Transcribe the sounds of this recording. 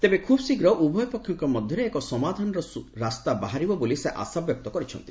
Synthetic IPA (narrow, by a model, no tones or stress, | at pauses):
t̪ebekʰubɔsiɡɾɔʔubʱɔjɔpɔkʰːjɔŋkɔmɔd̪ʱjɔɾeːkɔsɔmad̪ʱanɔɾɔsuɾast̪abaɦaɾibɔboliseʔa̰sabjɔk̚t̪ɔkɔɾit͡ʃʰɔ̰nt̪i